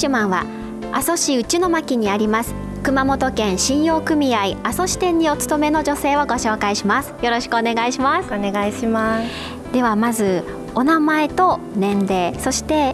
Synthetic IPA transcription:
ɕɯmãɰ̃βa̰ | a̰so̞ɕiɯ̟t͡ɕino̞makʲiɲ̟iaɾʲimasɨ̥ | kɯ̟mamo̞t̪o̞kẽ̞ɰ̃ɕĩɰ̃jo̞ːkɯ̟mʲiaiaso̞ɕi̥t̪ẽ̞ɲ̟ːio̞t͡sɨ̥t̪o̞me̞no̞ʑo̞se̞ːβoɡo̞ɕo̞ːkaiɕimasɨ̥jo̞ɾo̞ɕi̥kɯone̞ɡaiɕimasɨneɡaiɕima | d̪̥e̞βamazɨ | o̞namae̞t̪o̞nẽ̞nd̪e̞ːso̞ɕi̥t̪e̞

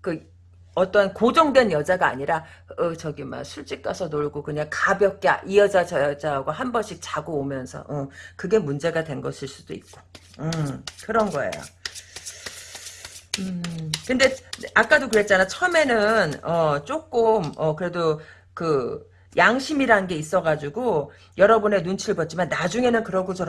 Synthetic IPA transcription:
kɯ | ʌt͈ʌnkod͡ʑʌŋdwe̞njʌd͡ʑaɡaa̰ːɲiɾaʌt͡ɕʌɡima̰nsʰuɭt͡ɕ͈ik̚k͈asʰʌnoɭɡokɯɲaŋkabjʌp̚k͈ea̰ʔijʌd͡ʑad͡ʑaʌd͡ʑaɡwaɦambʌnɕʰik̚t͡ɕaɡoːmjʌnsʰʌ̰ʔʌkɯɡe̞mund͡ʑe̞ɡadwe̞nɡʌsʰiɭs͈ud̥oḭk̚k͈o | ɯkɯɾʌnɡʌḛjo̰ | ɯkɯnde̞ak͈̚adokɯɾe̞t̚t͡ɕ͈anat͡ɕʰʌɯme̞nɯnʌt͡ɕ͈ok͈ɯmʌkɯɾe̞do | kɯ | jʔaŋɕʰimiɾaɯnɡe̞is͈ʌɡad͡ʑuɡo | jʌɾʌbune̞nunt͡ɕʰiɭbʌt̚t͡ɕ͈imanːad͡ʑuŋe̞nɯnkɯɾʌɡot͡ɕʌ

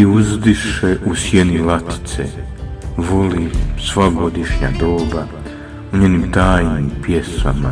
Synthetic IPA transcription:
iuzd̪iʃeʔusjenilat̪i̥t̪sḛ | ʋolisʋaɡo̞d̪iʃɲa̰d̪oːba | uɲeːnimt̪aːjnimpje̞sa̰ma̰

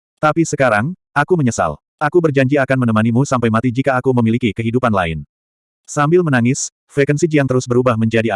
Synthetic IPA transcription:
t̪apisəkaɾaŋ | ʔakuməɲəsa̰l | ʔakubərd͡ʒaɲd͡ʒiakanmənəmanimusampajmat̪id͡ʒikaːkuməmilikikəɦidupanla̰ɪ̰n | sambɪlmənaŋɪs | fekənsid͡ʒijaŋt̪əɾʊsbəɾubahməɲd͡ʒadia

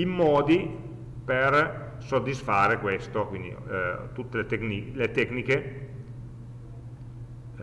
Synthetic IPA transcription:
imːɔːd̪i | per | sod̪ːisfaːɾekwest̪okwind̪ḭt̪ut̪ːelet̪eknilet̪ɛknike

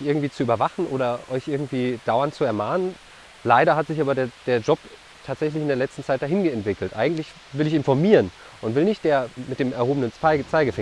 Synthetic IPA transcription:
ʔɪɐɡŋ̩tv̥iːt͡suyːbɐvaχn̩ʔoːɾɐʔɔʏçʔɪɐɡŋ̩tv̥iːd̥aʊɐntt͡suɛɐmaːnən | laɪɾɐɦatz̥ɪçʔaːbɐdeːɐd̥eːɐd͡ʒɔp | tʰaːtz̥ɛçlɪçɪndeːɐlɛt͡stn̩t͡saɪt̚d̥aːɦɪnɡəɛntv̥ɪkl̩tʔa̰ɪɡŋ̩tlɪç | vɪlɪçɪnfɔɐmiːʁən | ʔʊntv̥ɪlnɪçt̚d̥eːɐmɪt̚d̥eːmɛɐhoːbənənt͡saɪt͡saɪɡəfɪ

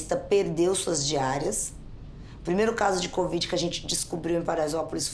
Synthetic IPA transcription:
st̪ɐpeɾd̪ewsuɐzd͡ʒiaɾiɐs | ʊpɾimejɾʊkazʊd͡ʒɪkovid͡ʒɪkɪɐʒẽnt͡ʃɪ̥d͡ʒɪskubɾiwẽpaɾazɔpʊlɪs

